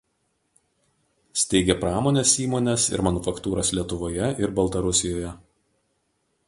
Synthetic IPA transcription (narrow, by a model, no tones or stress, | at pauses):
sʲt̪ʲɛɪɡʲɛpɾɑːmoːnʲeːsiːmoːnʲɛsɪ̰ɾmɐnʊfɐkt̪uːɾɐslʲiɛt̪ʊʋoːjɛʔɪɾbɐlˠt̪ɐɾʊsʲɪjoːjɛ